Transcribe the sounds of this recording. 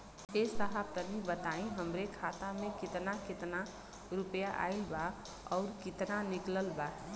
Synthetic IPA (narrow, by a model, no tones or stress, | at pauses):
esəɦab̚t̪ənibət̪aĩɦəmɾekʰat̪amẽkɪt̪nakɪt̪na | ɾʊpjaʔa̰ːɪlba | ɔːɾkɪt̪nanɪkləlba